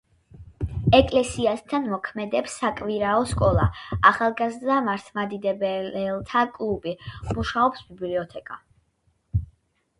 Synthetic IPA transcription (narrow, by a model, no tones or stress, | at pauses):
ɛkʼlɛsiast̪ʰanmɔkʰmɛd̪ɛpsːakʼviɾaɔskʼɔlˠaaχalˠɡazd̪amaɾt̪ʰmad̪id̪ɛbɛlɛlˠt̪ʰakʼlˠubimuʃaɔpsbibliɔt̪ʰɛkʼa̰